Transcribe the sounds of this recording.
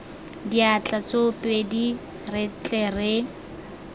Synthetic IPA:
diat͡ɬʼat͡sopʼedi | rɪt͡ɬʼɛrɪ

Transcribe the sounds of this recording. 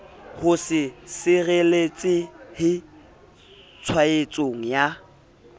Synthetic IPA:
hʊsɪsɪrelet͡sʼɪhɪ | t͡sʰwaet͡sʼoŋ̩ja

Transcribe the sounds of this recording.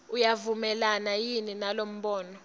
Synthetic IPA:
ujavumɛlanajininalom̩ɓɔːnɔ

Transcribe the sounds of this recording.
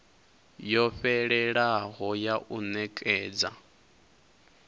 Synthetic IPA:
jɔɸɛɺɛɺaɦɔjaʔunɛkʼɛːd͡za̰

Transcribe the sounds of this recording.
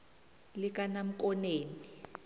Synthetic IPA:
lik̬ʼanam̩k̬ʼɔneːni

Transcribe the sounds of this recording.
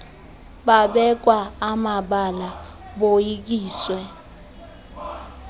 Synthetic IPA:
ɓaɓɛk̬waːmaɓala | ɓojik̬iːswɛ

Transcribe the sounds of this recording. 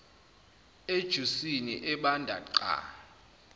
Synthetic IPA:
ed̥ʒ̥ʱusinḭʔɛɓandʱa̰ǃa̰

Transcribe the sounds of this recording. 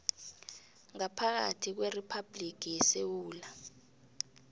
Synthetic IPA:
ŋapʰak̬a̰tʰik̬weripʰab̥lik̬ʰʼijɛsewuːla

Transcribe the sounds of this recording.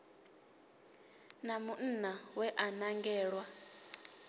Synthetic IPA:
namun̩nawɛʔanaŋɡɛːɺwa

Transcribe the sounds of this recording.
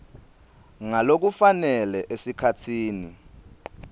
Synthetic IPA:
ŋalok̬ufanɛlɛʔesikʰatʰiːni

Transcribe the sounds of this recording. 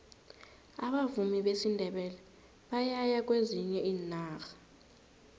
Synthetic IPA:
aɓavumiɓesindʱɛɓɛlɛ | ɓajajak̬ʼweziɲɛiːnaːxḁ

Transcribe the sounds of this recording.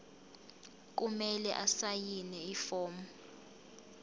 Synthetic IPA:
k̬umɛlɛ̰ʔasajinɛifɔːmu

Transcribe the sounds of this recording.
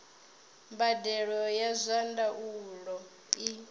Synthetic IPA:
mbadɛɺɔjazʷandaʔulɔ | i

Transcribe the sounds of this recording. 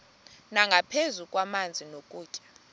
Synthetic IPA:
naŋɡʱapʰezukʼwamand͡zʱinokʼuːt͡ʃʼḁ

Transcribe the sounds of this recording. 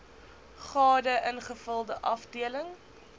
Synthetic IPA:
χɑːdəʔənχəfəlˠdəʔɐfdiələŋ

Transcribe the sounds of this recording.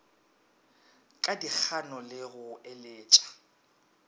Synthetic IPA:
kʼadik͡xʰanɔlɪɣʊelɪːt͡ʃʼḁ

